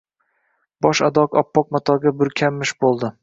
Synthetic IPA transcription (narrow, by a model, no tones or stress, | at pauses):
b̥ɒʃad̪ɒkɒpːɒq̚mat̪ʰɒɡʲabʊɾkʲʰamːɪʃbolˠd̪ɪ